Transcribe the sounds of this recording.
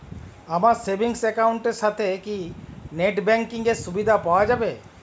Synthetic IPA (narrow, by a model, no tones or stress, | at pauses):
amaɾsebʱiŋsɛkawɳʈeɾʃat̪ʰekineʈbɛŋkiŋeɾsubid̪ʱapawad͡ʒabe